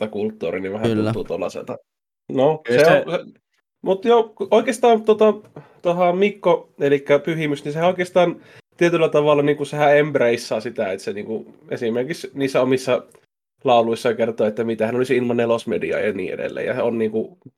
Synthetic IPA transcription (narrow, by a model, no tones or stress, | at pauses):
ɑkult̪ːṵːriniʋæhæut̪ːuːt̪olːɑ̰sḛlt̪ɑ | noseoe | mut̪jooikˑest̪ɑːnt̪ot̪ɑt̪ohɑmikːoelikːæpyhimysnisehæoˑikˑeˑst̪ɑːn | t̪iet̪ylːæt̪ɑʋɑlːɑniːŋkusehæembreisːɑːsit̪æet̪seniːŋkuʔesimerkiksniːsːæomisːɑ | lɑˑuluisːɑkert̪oːet̪ːæmit̪æhænolisilmɑnelosmedḭɑ̰jɑnḭːḛdḛlːḛjɑ̰seonniːŋku